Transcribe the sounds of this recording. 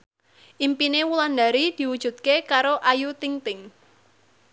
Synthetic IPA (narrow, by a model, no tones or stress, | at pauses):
ʔimpinewulanda̤ɾid̪̥i̤wud̥ʒ̥ṳt̪̚kekaɾoʔajut̪iŋt̪ɪŋ